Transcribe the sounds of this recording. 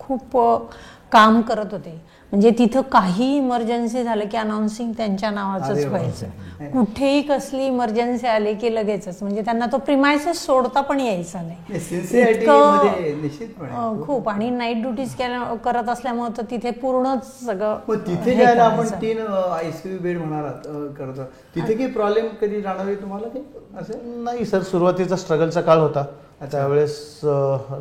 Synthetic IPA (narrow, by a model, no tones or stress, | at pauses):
kʰuːp | kamkəɾət̪ɦot̪e | m̤əɳd͡zet̪it̪ʰəkaɦiːiməɾd͡ʑənsiːd͡zʱaləkiːənawnsiŋɡt̪jaɲt͡ɕjanaʋat͡səːɦojajt͡sə | kuʈʰeɦiːkəsliːməɾd͡ʑənsialekeləɡajt͡sət͡sm̤əɳd͡zet̪janːat̪opɾimajsessoɽt̪apəɳjejt͡salesensitaʈikəəd̪ʱeniɕit̪pəɳkʰuːpaɽ̃inaiʈ̚ɖjuʈiːt͡skelakəɾət̪əsljamət̪ət̪it̪ʰepuɾɳət͡s | səɡɭəməɡt̪it̪ʰeɦajlaːpəɳʈ̪iːnajsibeɽm̤əɽ̃aɾat̪kəɾt̪ə | t̪it̪ʰekipɾɔblemkəd̪ʱiːɾaɽ̃əʋet̪um̤alakiəsenaɦisəɾsuɾuʋat̪it͡sasʈɾəɡəlt͡sakalɦot̪a | t̪jaʋeɭes